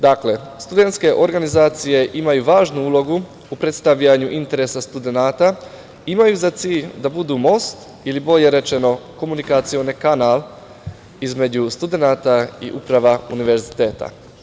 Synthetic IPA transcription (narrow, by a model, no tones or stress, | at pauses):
d̪akle̞ | st̪ud̪e̞nt̪ske̞ʔo̞ɾɡanizaːt̪sije̞ʔimajuʋaːʒnuuːlo̞ɡu | upɾe̞t̪st̪aʋʎaɲuʔint̪e̞ɾe̞sast̪ud̪e̞naːt̪a | imajuzat̪siːʎd̪abud̪umo̞st̪ | ilibo̞ʎe̞ɾe̞t͡ʃe̞no̞ko̞munikat̪sio̞nikanaːl | izme̞d͡ʑust̪ud̪e̞naːt̪aḭʔupɾaʋauniʋe̞ɾzit̪eːt̪a̰